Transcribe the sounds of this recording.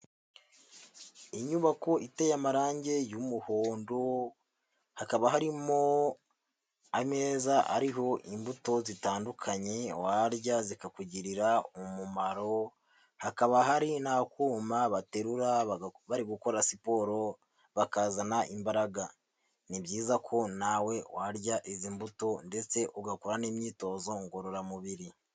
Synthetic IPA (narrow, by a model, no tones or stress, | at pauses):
iɲuβako̞ʔite̞jamaɾaːɲɟe̞jumuhoːndo | hakaβaɦaɾimo | ame̞ːzaʔa̰ɾiɦo̞ʔimbuto̞zitaːndukʰaɲe̞waɾɟazikakuɟiɾiɾaumumaɾo̞ | hakaβaɦaɾinakuːmaβate̞ɾuɾaβaɾiɡuko̞ɾasipo̞ːɾo̞ | βakazanaʔimbaɾaɡa | nibɟiːzakʰo̞nawe̞waɾɟaʔizimbuto̞nde̞t͡se̞ʔuɡakuɾaniːmɲiːto̞zo̞ŋɡoɾoɾamuβiɾi